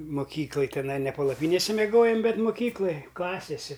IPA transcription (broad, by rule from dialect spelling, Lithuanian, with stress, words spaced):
moːˈkʲiːklˠɐj tʲɪˈnɐɪ nʲɛ pɐlˠɐˈpʲiːnʲeːsʲɛ mʲɛˈɡoːjoːm ˈbʲɛt moːˈkʲiːklˠɐj ˈklˠɑːsʲɛsʲɪ